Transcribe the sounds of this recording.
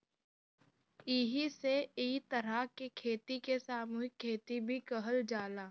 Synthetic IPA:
iːɦiseeːt̪əɾakekʰeːt̪ikesaːmuːɦɪkʰːeːt̪ibʱikəɦəld͡ʒaːlaː

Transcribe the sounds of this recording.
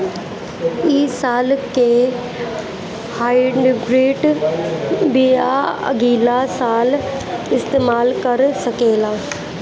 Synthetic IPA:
iːsaːlke | haːɪɖɡɾeːʈ | biaə̰ɡiːlasaːl | ɪst̪eːmaːlkɐɾsɐkeːlaː

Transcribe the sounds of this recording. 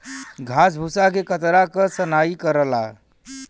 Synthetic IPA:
ɡʱasbʱusakekət̪ɾakəsənaikəɾəla̰

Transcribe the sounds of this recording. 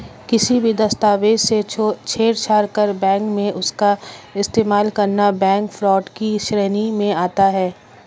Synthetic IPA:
kɪsibʱid̪ɐst̪aːʋed͡ʒset͡ʃʰeːɾt͡ʃʰaːɾkəɾbɛ̃ːŋkmẽʔʊskaɪst̪eːmaːlkɐɾnabɛ̃ːŋkfɾɔːʈkiʃɾɛːnimẽaːt̪aɦɛː

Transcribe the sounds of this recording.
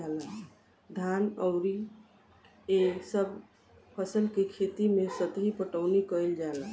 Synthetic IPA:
alə | d̪ʱanəʊɾi | esəbʱ | pʰəsəlkekʰet̪imesət̪ɦipəʈəʊnikəjld͡ʒala

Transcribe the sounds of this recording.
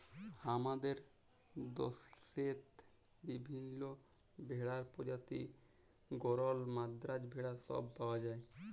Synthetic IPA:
hamad̪eɾ | d̪oset̪ | bibʱinːo | bʱeɽaɾpod͡ʑat̪ḭ | ɡoɾɔlmad̪ɾad͡ʑbʱeɽasɔ̰bːawad͡ʒae

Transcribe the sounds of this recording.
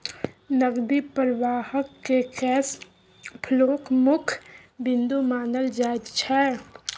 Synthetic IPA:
nəɡd̪ipəɾʋaːhəkːekɛːs | pʰloːkmʊkʰ | bɪ̃nd̪umaːnəld͡ʒaːɪd͡ʒt͡ʃʰɛ

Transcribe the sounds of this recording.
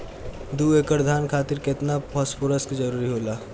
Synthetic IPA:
d̪uːeːkəɾd̪ʱaːnkʰaːt̪ɪɾkɪt̪napʰɔspoːɾəskd͡ʒəɾuːɾiɦoːlaː

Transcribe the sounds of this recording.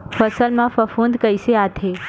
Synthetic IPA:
fəsəlmãfɐfũːnd̪kəɪseaːt̪ʰeː

